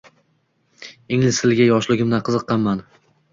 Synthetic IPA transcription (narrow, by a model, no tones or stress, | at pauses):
ɪŋlɪsɪlɡʲajɒʃlɪɡʲɪmd̪aqʰɨzɨqʰːɑnmːan